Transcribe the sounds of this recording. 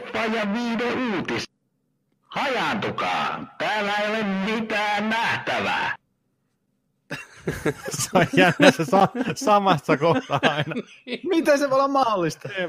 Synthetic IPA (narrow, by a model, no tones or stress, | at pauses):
pːˑɑjjɑʋiːdeuːt̪is | hɑjɑnt̪ukɑ̰ːt̪æːlːæeˑiolemmit̪æːnnæht̪æʋæ̰ | sɑjjæˑnːæsesɑsɑmɑsːɑkoht̪ɑɑˑinɑ | mit̪æseʋoolːɑmmɑholːˑist̪ɑ